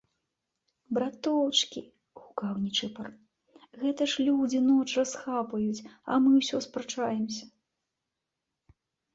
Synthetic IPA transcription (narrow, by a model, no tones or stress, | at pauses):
bɾat̪ɔwt͡ʂkʲi | ɣukawnʲit͡ʂɨpɐr | ɣɛt̪ɐʂlʲud͡zʲin̪ɔt͡ʂrasxapɐjut͡sʲɐ̰mɨwsʲɔspɾat͡ʂajɛmsʲɐ̥